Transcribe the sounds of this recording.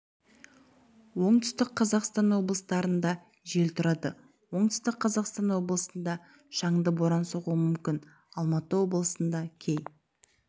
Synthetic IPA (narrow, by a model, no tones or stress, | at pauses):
wo̞ɴt̪ʰʏ̥st̪ɪkqʰɑzɑqst̪ɑnwo̞blˠəst̪ɑɾənd̪ɑ | ʒe̞lt̪ʰʊɾɑd̪ə | wo̞ɴt̪ʏ̥st̪ɪkqʰɑzɑqst̪ɑnwo̞blˠəsənd̪ɑ | ʃɑɴd̪əbo̞ɾɑnsoʁuəmʏmkʲɪn | ɑlˠmɑt̪əwo̞blˠəsənd̪ɑkʲʰej